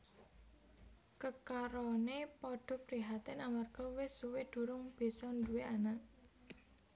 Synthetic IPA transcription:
kəkaɾɔnepɔɖ̥ɔ̤pɾiɦat̪ɛnamarɡ̥ɔ̤wɪsuwed̪̥ṳɾʊŋb̥e̤sɔnd̪uweanaʔ

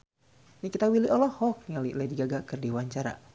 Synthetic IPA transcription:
nikit̪awiliʔɔlɔhɔk̚niŋalilediɡaɡakɨrdiwaɲt͡ʃaɾa̰

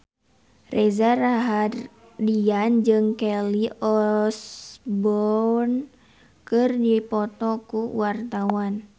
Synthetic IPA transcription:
rɛzaraɦar | diand͡ʒɨŋkɛliɔsbɔn | kɨrdipɔt̪ɔkuwart̪awan

